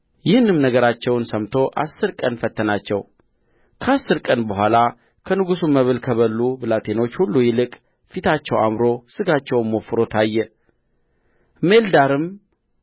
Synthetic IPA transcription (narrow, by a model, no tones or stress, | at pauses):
jɪhɨnːɨmnəɡəɾat͡ʃːɛwnsəmt̪ʰo̞ʔa̰sːɨɾkʼənfət̪ʰːənat͡ʃːɛw | kʰəasːɨɾkʼənbəɦʷala | kʰənɨɡusumːəβɨlkʰəβəlːubɨlat̪ʰe̞no̞t͡ʃːhulːujɪlɨkʼ | fit̪ʰat͡ʃːɛwa̰mɾo̞sɨɡat͡ʃːɛwmːo̞fɨɾo̞t̪ʰajːɛ | me̞ld̪aɾɨm